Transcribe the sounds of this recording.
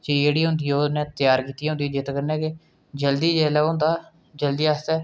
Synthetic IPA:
d͡ʒeeːɽiːɦʊnd̪iːoːnɛ̃ːt̪jaːɾkiːt̪ijɛɦʊ̃nd̪iːd͡ʒet̪ːkəɾnɛːke | d͡ʒəld̪iːd͡ʒeːlɛːoɦʊnd̪aː | d͡ʒəld̪iːast̪ɛː

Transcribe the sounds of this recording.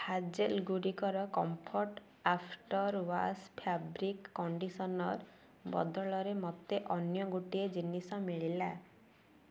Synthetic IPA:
had͡ʒelɡuɽikɔɾɔkɔmpʰoɾʈ | apʰʈɔɾwa̰spʰabɾikːɔɳɖisɔnɔɾ | bɔ̰d̪ɔɭɔɾemɔt̪eʔɔnjɔɡuʈied͡ʒinisɔmiɭila

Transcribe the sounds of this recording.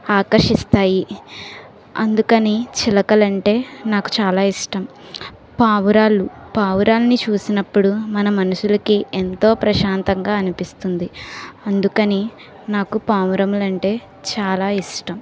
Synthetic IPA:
aːkɐɾʂist̪aːji | ɐnd̪ukɐnit͡ʃilɐkɐlɐɳʈe̞ːnaːku̥t͡ʃaːlaːiʂʈɐm | paːʋuɾaːlupaːʋuɾaːlɐnit͡ʃuːsinɐpːuɽumɐnɐmɐnuʃulɐkiʔent̪o̞ːpɾɐʃaːnt̪ɐŋɡaːɐnipist̪und̪iɐnd̪ukɐni | naːkupaːʋuɾɐmulɐɳʈe̞ː | t͡ʃaːlaːiʂʈɐm

